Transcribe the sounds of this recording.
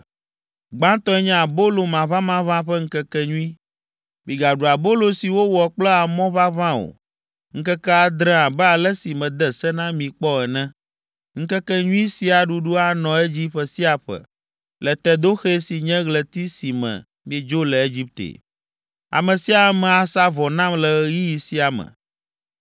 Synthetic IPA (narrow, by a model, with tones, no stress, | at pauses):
ɡ͡bã˦t̪ɔ̃˦ɛ˦ɲɛ̃˦a˨bo˦lo˨mã˨βã˦mã˦βã˦ɸɛ˦ŋ̩˦kɛ˦kɛ˦ɲũ˦i˦ | mĩ˨ɡa˨ɖu˨a˨bo˦lo˨si˨wo˦wɔ˨k͡plɛ˦a˨mɔ̃˦βa˦βã˦o̰˨ | ŋ̩˦kɛ˦kɛ˦a˨d̪ɾɛ̃˦a˨bɛ˦a˨lɛ˦si˨mɛ̃˨d̪ɛ˨sɛ˦nã˦mĩ˨k͡pɔ˦ɛ˨nɛ̃˦ | ŋ̩˦kɛ˦kɛ˦ɲũ˦i˦si˦a˨ɖu˨ɖu˦a˨nɔ̃˨e˦d͡ʑi˦ɸɛ˨si˦a˨ɸɛ̰˨ | lɛ˨t̪ɛ˦d̪o˦xe˦si˨ɲɛ̃˦ɣlɛ˨t̪i˦si˨mɛ̰̃˨ | mĩ˦e˦d͡ʒo˦lɛ˨e˦d͡ʑi˦p̚t̪ḛ˨ | a̰˨mɛ̃˨si˦a˨˦mɛ̃˨a˨sa˦vɔ˨nã˦mlɛ˨˦ji˦ji˨si˦a˨mɛ̰̃˨